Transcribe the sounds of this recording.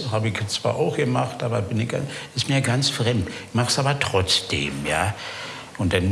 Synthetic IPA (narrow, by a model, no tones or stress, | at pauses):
haːbəɪçt͡sv̥a̰ːɐʔaʊxɡ̥əmaχtʔaːbɐb̥ɪnɪçɡ̥a̰nɪstm̥ijɡant͡sfʁ̥ɛmtçmaχsʔaːbɐtʁ̥ɔt͡sd̥ḛːmjaː | ʔʊnt̚d̥an